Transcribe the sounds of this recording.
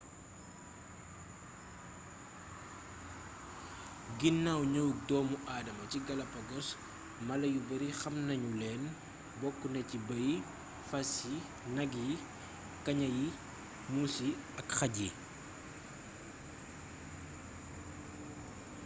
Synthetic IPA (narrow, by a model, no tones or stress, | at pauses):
ɡinːawɲəwuk̚dɔːmuʔaːdɐmɐciɡɐlɐpɐɡɔs | mɐlɐjubɐɾixɐmnɐɲulɛːn | bɔkːunɐcibɐji | fɐsi | nɐɡji | kɐɲɐji | musi | ɐkxɐɟi